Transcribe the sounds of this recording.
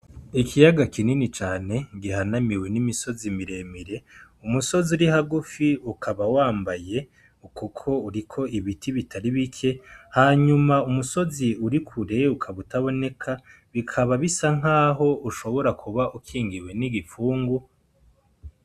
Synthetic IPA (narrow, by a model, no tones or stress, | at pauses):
ikʰijaɡakininit͡ʃaːne̞ɡihanamiwe̞nimiso̞zimiɾe̞miɾe̞ | umuso̞ziuɾihaɡufiukʰaβawaːmbaje̞ | ukukʰo̞uɾikʰo̞iβitiβitʰaɾiβikʰe̞haːɲumaumuso̞ziuɾikʰuɾe̞ukʰaβutaβo̞ne̞kʰa | βikʰaβaβisaŋ̥ɦaːɦo̞uʃo̞βo̞ɾakʰuβaʔukʰiːŋɡiwe̞niɡifuːŋɡu